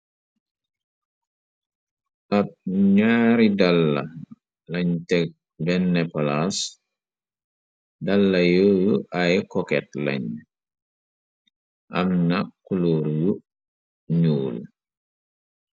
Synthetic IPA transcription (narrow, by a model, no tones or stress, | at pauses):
ʔɐt̚ɲaːɾidalːɐ̰ | lɐɲtɛk̚ | bɛnːɛpɔlas | dalːɐjojuʔajkɔkɛt̚lɐ̰ɲ | ʔɐ̰mnakːulɔːɾju | ɲuːl